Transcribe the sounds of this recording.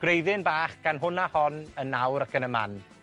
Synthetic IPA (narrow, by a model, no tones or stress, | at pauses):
ɡ̥rejðɪnbaːχɡ̥anɦʊnahɔnənːawɾakənəma̰n